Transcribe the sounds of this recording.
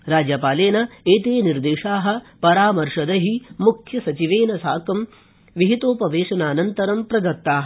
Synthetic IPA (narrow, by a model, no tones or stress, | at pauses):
ɾaːd͡ʒjɐpaːleːnɐeːt̪eːniɾd̪eːʃaːɦɐ̆ | pɐɾaːmɐɾʂɐd̪ɐɦimukʰjɐsɐt͡ʃiʋeːnɐsaːkɐm | ʋiɦit̪oːpɐʋeːʃɐnaːnɐnt̪ɐɾɐmpɾɐd̪ɐt̪ːaːɦɐ